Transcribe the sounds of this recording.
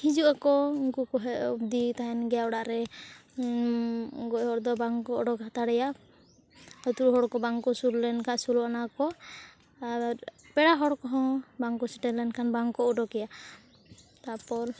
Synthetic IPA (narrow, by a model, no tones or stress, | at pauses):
hid͡ʒuʔakɔiŋkukɔɦɛʔubd̪it̪aɛnɡɛjaɔɽaʔɾɛ | ɡɔʔhɔɾd̪ɔbaŋkɔʔɔɖɔkat̪aɽɛja | kɔt̪uɾɦɔɽkɔbaŋkɔsuɾlɛnkʰaʔsulɔanakɔ | a | pɛɽaɦɔɽkɔɦɔ̃baŋkɔsiʈɛlɛnkʰanbaŋkɔɔɖɔkɛja | t̪apɔl